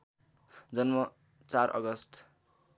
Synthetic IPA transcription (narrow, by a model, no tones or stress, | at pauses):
d͡zʌnmʌ | t͡sarʔʌ̰ɡʌsʈ